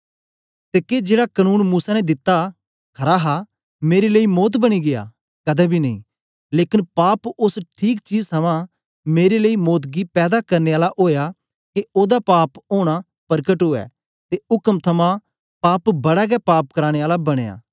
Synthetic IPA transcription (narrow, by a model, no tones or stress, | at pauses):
t̪eːked͡ʒeːɽakənuːnmuːsanɛd̪ɪt̪ːa | kʰɐɾaɦa | meːɾeleːimoːt̪̬bɐɽ̃iɡeja̰ː | kɐd̪ɛbʱinɐɦĩ | leːkɪnpaːpʊsʈʰiːkt͡ʃiːd͡ʒt̪ʰɐmã | meːɾeleimoːt̪̬ɡipɛːd̪akɐɾneaːlaʔoːja | keoːd̪apaːpoːɽ̃a | pɐɾkəʈɦoːɛ̰ː | t̪eʊkəmt̪ʰɐmã | paːpbɐɽaɡɛpaːp̚kɐɾaːɽ̃eaːlabɐɽ̃eːa̰ː